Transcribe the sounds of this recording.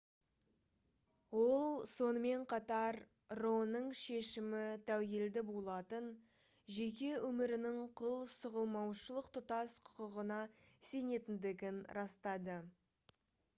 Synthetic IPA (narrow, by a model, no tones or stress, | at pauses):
wo̞lˠso̞nəme̞ɴqʰɑt̪ɑɾ | ronəɴʃe̞ʃɪmɪt̪ʰæwje̞ld̪ɪbolˠɑt̪ən | ʒe̞k̬ʲe̞ʔɵmɪɾɪnɪɴqʰʊlˠsʊʁəlˠmɑwʃəlˠəqt̪ʰʊt̪ɑsqʰʊ̥qəʁənɑse̞ne̞t̪ɪnd̪ɪɡʲɪnɾɑst̪ɑd̪ə